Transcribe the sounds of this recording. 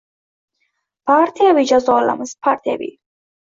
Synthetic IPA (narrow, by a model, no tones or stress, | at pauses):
paɾt̪ʰiabid͡ʒazɔla̰mspʰaɾt̪ʰɛ̰bḭ